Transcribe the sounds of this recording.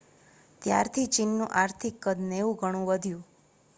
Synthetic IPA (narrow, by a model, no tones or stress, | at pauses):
t̪ja̰ɾt̪ʰit͡ʃinːṵ̃ʔaɾt̪ʰikːəd̪neʋũɡʱəɽ̃ũʋəd̪ʱjũ